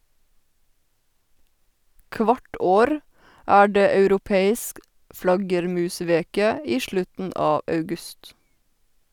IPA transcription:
ˈkʋɑʈ ˈoːɾ ˈæː ˈɖeː ɑʉɾʊˈpeːɪsk ˈflɑɡəɾˌmʉːˌsʋeːkə ˈiː ˈʃlʉtn̩ ˈɑː ɑʉˈɡʉst

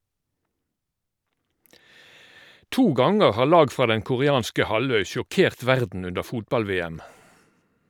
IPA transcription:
ˈtuː ˈɡɑŋəʁ ˈhɑːʁ ˈlɑːɡ ˈfʁɑː ˈdɛŋ kʊʁɪˈɑːnskə ˈhɑˌlœʏ ʃʊˈkeːʁt ˈʋæʁdn̩ ˈʉndə ˈfuːtbɑlˌʋeːæm

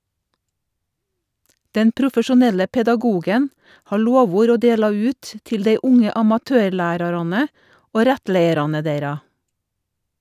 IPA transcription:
ˈdɛn pɾʊfəʃʊˈnɛlə pɛdɑˈɡuːɡən ˈhɑː ˈloːˌʋuːɾ ˈoː ˈdeːlɑ ˈʉːt ə ˈtɪl ˈdeɪ ˈʊŋə ɑmɑˈtøːɾˌlæːɾɑɾɑnə ˈoː ˈɾɛtˌleɪəɾɑnə ˈdeɪɾɑ

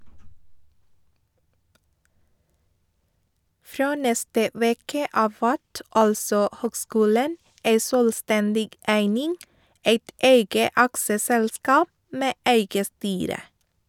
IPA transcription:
ˈfɾoː ˈnɛstə ˈʋeːkə ˈɑːʋ ˈʋæt ˈɑlsɔ ˈhøːɡˌskʉːlən ˈæɪ ˈsøːlˌstɛndɪɡ ˈæɪnɪŋ ˈæɪt ˈæɪɡə ˈɑksəˌsɛlˌskɑːp ˈmeː ˈæɪɡə ˈstyːɾə

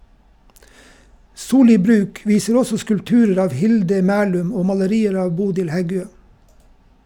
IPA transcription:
ˈsuːˌliː ˈbɾʉːk ˈʋiːsəɾ ˈɔsɔ skʉlpˈtʉːɾəɾ ˈɑːʋ ˈhɪldə ˈmæːlʉm ˈoː mɑləˈɾiːəɾ ˈɑːʋ ˈbuːdɪl ˈhɛˌɡøː

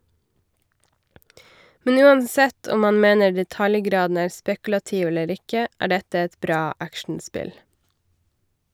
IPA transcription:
ˈmɛn ˈʉːɑnˌsɛt ˈɔm ˈmɑːn ˈmeːnə ɖɛˈtɑljˌɡɾɑːdn̩ ˈæːɾ ˈspɛkl̩ɑˌtiːʋ ˈɛləɾ ˈɪkə ˈæː ˈɖɛtə ˈɛt ˈbɾɑː ˈækʃɳ̩ˌspɪl

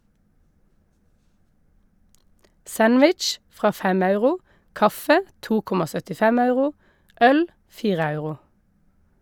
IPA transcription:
ˈsænʋɪt͡ʃ ˈfʁɑː ˈfɛm ˈɑʉʁʊ ˈkɑfə ˈtuː ˈkʊmɑ sœtɪˈfɛm ˈɑʉʁʊ ˈœl ˈfiːʁə ˈɑʉʁʊ

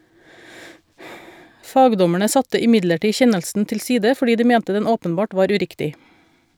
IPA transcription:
ˈfɑːɡdɔmæɳə ˈsɑtə ɪˈmɪɟləˌʈiː ˈçɛnəlsn̩ tɪlˈsiːdə fɔˈɖiː ˈdiː ˈmɛntə ˈdɛn ˈoːpənˌbɑːʈ ˈʋɑːɾ ʉˈɾɪktɪ

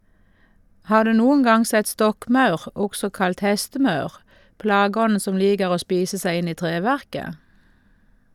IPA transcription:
ˈhɑːʁ ˈdʉː ˈnuːʊŋ ˈɡɑŋ ˈsɛt ˈstɔkˌmɑʉʁ ˈɔɡsɔ ˈkɑlt ˈhɛstəˌmɑʉʁ ˈplɑːˌɡɔn̩ ˈsɔm ˈliːɡəʁ ˈoː ˈspiːsə ˈsæɪ ˈɪn ˈiː ˈtʁeːˌʋæʁkə

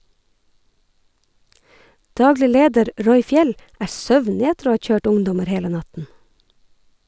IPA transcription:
ˈdɑːɡlɪ ˈleːdəɾ ˈɹɔʏ ˈfjɛl ˈʔæːɹ ˈsœʋnɪ ˈætəɾ ˈoː ˈhɑː ˈt͡ʃøːʈ ˈʊŋdɔməɾ ˈheːlə ˈnɑtn̩

